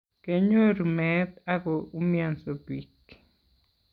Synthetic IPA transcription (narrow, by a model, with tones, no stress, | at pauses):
ke˦ɲo˦ɾumɛt̪a˦ɡɔ˨u˦mjansobi˨k